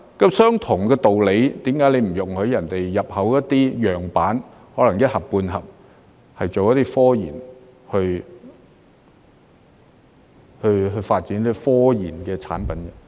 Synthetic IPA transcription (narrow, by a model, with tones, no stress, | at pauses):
kɐ˧sœː˥ŋt̪ʰʊ˨˩ŋkɛː˧t̪o˨wle˨˧˥jt̪iː˨˥mkaː˨˥jle˨˧jm̩˨˩jʊ˨˩ŋhɵ˨˥jɐ˨˩nt̪e˨jːɐ˨p̚hɐ˨˥wjɐ˥t̚t̪ːiː˥jœː˨ŋpaː˨˥n | hɔː˨˥lɐ˨˩ŋjɐ˥t̚hɐ˨p̚pːuː˧nɦɐ˨p̚ | hɐ˨jt͡ʃo˨wjɐ˦˥t̪iː˥fɔː˥jḭː˨˩n | hɵ˧ɥ | hɵ˧ɥɦɵ˧ɥfaː˧t̚t͡siː˨˥niː˦˥ɔ˥fɔː˥jiː˨˩nkɛː˧t͡sʰa̰ː˨˥npɐ˨˥nkɐ˧